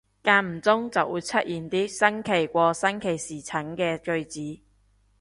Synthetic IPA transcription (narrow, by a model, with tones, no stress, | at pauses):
kaː˧m̩˨˩t͡sʊ˥ŋt͡sɐ˨wuː˨˧jt͡sʰɐ˥t̚ʔjiː˨˩nt̪iː˥sɐ˥ŋkʰe˨˩jkʷɔː˧sɐ˥nkʰe˨˩jsiː˨˩t͡sʰɐ˨˥ŋkɛː˧kɵ˧ɥt͡siː˨˥